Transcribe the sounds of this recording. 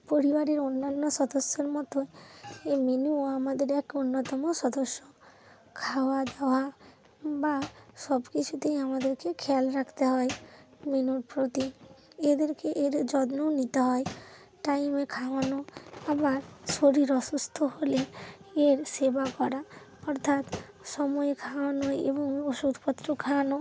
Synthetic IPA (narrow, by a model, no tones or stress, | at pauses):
poɾibaɾeɾonːanːɔsɔd̪osːeɾmɔt̪oemenuoamad̪eɾɛkonːɔt̪ɔmosɔd̪osːo | kʰawad̪aoa | basɔbkit͡ʃʰut̪eiamad̪eɾkekʰɛlɾakʰt̪eɦɔe | menuɾpɾot̪ied̪eɾkeʔeɾd͡ʒɔd̪nɔnit̪aɦɔe | ʈaimekʰaʋanɔabaɾsoɾiɾɔsust̪ʰɔɦoleeɾsebakɔɾa | ɔɾt̪ʰat̪ | sɔmɔjkʰawanɔḛbɔŋosud̪ʱpɔt̪ːɾɔkʰanɔ